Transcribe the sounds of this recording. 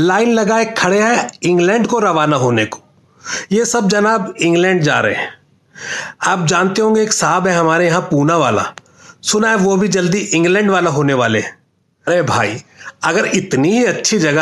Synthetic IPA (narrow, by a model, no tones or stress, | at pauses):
laːɪnlɐɡaːekʰːɐɽeɦɛɪ̃ŋɡlɛ̃ːɳɖkoɾɐʋaːnaɦoːneko̥ | jesɐb̚d͡ʒɐnaːbɪ̃ŋɡlɛ̃ːɳɖd͡ʒa̰ːɾɐɦḛɦɛ̃ | aːb̚d͡ʒaːnt̪eɦõːɡeːksaːbɦɛ̃ɦɐmaːɾejɐɦãpuːnaʋaːla̰ | sʊnaːeʋobʱid͡ʒɐld̪iʔɪ̃ŋɡlɛ̃ːɳɖʋaːlaɦoːneʋaːleɦɛ̃ | ɦɐɾebʱa̰ːiɐɡəɾɪt̪niɦiɐtːʃʰid͡ʒɐɡə